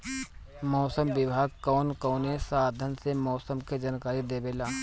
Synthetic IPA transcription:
mɔːsəmʋɪbʱaːɡ̚kɔːnkɔːnesaːd̪ʱənsemɔːsəmked͡ʒaːnkaːɾid̪eːbeːlaː

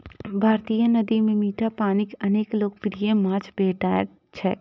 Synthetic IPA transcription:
bʱaːɾt̪ijənɐd̪imẽmiːʈʰapaːnɪkɐneːkloːk̚pɾijẽmãːt͡ʃʰbeːʈa̰ː | t͡ʃʰɛː

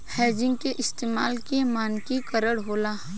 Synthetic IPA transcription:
hɛːd͡ʒɪ̃ŋɡkeʔɪst̪eːma̰ːlkemaːnkikəɾəɽɦoːlaː

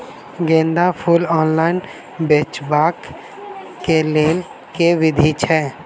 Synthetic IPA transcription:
ɡẽːnd̪apʰulɔːnlaːɪn | beːt͡ʃbaːk | keleːl | keʋɪd̪ʱit͡ʃʰɛː

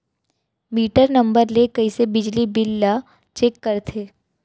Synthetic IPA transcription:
miːʈəɾnɐ̃mbəɾlekɐisebɪd͡ʒlibɪlːa | t͡ʃeːkːəɾt̪ʰeː

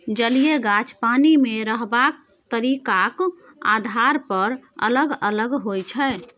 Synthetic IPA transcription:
d͡ʒəlijeɡat͡ʃpanimeɾəɦbak̚ | t̪əɾikak | a̰d̪ʱaɾpəɾə̰ləɡələɡɦojt͡ʃʰɛ

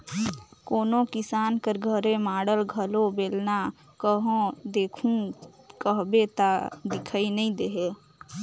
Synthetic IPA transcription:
koːnokɪsaːnkəɾɡʱəɾemaːɽəlɡʱəlobeːlna | kəɦõd̪eːkʰũ | kəɦbet̪ad̪ɪkʰainəĩd̪eɦe

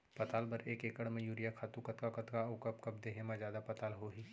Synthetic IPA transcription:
pɐt̪aːlbɐɾeːkeːkəɽmẽjuːɾijakʰaːt̪ũkɐt̪kakɐt̪kaʊkɐpkɐb̚d̪eːɦemãzjaːd̪apɐt̪aːlɦoːɦiː

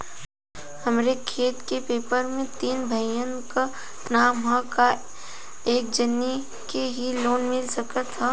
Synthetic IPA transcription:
hɐmɾekʰeːt̪kepeːpəɾmẽt̪iːnbʱɐjə̃ka | naːmɦãka | eːk̚d͡ʒɐnːi | keɦiloːnmɪlsəkət̪ʰːaː

